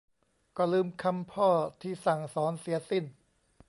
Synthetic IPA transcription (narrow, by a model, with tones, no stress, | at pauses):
kɔː˥˩lɯː˧mkʰa˧mpʰɔː˥˩t̪ʰiː˥˩sa˨˩ŋsɔː˩˦nsi˩˦ɐsi˥˩n